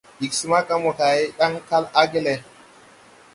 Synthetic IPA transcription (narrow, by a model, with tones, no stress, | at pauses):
i˨ksi˦ma˦ka˦mo˨ka˨e˦ɗa˦ŋka˦la˦ɡe˦le˨